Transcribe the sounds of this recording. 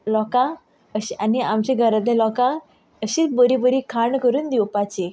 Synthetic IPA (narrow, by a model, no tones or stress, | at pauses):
lɔkã | əɕaniamt͡ɕeɡʱəɾəd̪elɔkã | əɕiːt͡sbəɾibəɾikʰaɳkəɾuːnd̪iwpat͡ɕe